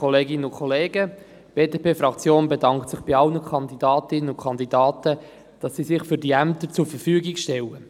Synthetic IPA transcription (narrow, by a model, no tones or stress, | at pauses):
ɔleːɡɪnəʊnkʰɔleːɡə | b̥eːdepʰeːfɾɑkt͡sjoːnbedɑŋktsɪχb̥iɑlnəkʰɑnd̪idɑːtɪnːənʊnkʰɑnd̪idɑːtə | d̥ɑsːizɪχfyɾdiæmt̪əɾt͡sʊɾfəɾfyːɡikʃtɛlə